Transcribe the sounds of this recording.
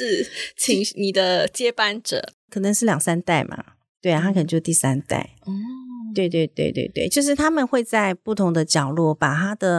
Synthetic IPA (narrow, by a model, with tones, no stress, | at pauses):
t͡ɕʰi˧˥ŋni˨˩d̪ə˦t͡ɕjɛ˥pa˥˧nʈ͡ʂɤ̰˨˩˦kʰɤ˨˩nə˧˦ŋʂɻ̩˥˩ljɑ˨˩ŋsa˥nt̪a˥˩ɪma̰˨˩ | t̪we˥˩a˩t̪a˥k̪ʰt͡ɕjo˥˧˥t̪i˥˩sa˥nt̪a̰˥˩ɪ˥t̪we˥˧ɪt̪we˥˧ɪt̪wḛ˥˧ɪt̪we˥˧ɪt̪we˥˩t͡ɕjo˥˧ʊʂ̬ɻ̩˥˩t̪ʰa˥mə˨nxwe˥˧ɪt͡sa˥˧ɪpu˥˩t̪ʰʊ˧˥ŋd̪ə˧t͡ɕjɑ˨˩ʊlwɔ˥˩pa˨˩t̪ʰa˥d̪ə˨